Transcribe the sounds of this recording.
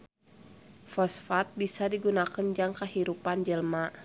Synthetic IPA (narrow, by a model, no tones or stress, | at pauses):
fɔsfat̪̚bisadiɡunakənd͡ʒaŋkəhiɾupand͡ʒəlma